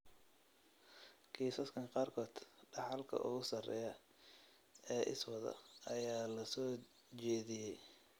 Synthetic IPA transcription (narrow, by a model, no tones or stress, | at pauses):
kʰiːsɐskʰɐŋqɑːrkʰɔːd̪̥ɖɑħɑlkʰɐ̰ʔʊ̰ɣʊsɐrɛ̰ːjɐ | ɛːʔɪswɐðɐ̰ɐjaːlɐsɔː | t͡ʃɛːðɪjɛj